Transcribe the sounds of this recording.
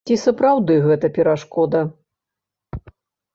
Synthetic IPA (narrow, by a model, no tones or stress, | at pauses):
t͡sʲisɐpɾawd̪ɨɣɛt̪ɐpʲɛɾaʂkɔd̪ɐ